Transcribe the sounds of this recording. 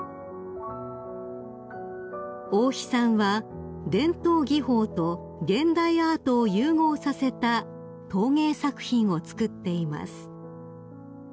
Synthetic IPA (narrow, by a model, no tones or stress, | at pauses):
oːçi̥sãɰ̃βa | d̪ẽ̞nt̪o̞ːɡʲiɦo̞ːt̪o̞ | ɡẽ̞nd̪aiaːt̪o̞ːjɯːŋo̞ːsase̞t̪a | t̪o̞ːŋe̞ːsakɯ̟̥çĩɰ̃o̞t͡sɨ̥kɯ̟t̪ːe̞ima̰sɨ̥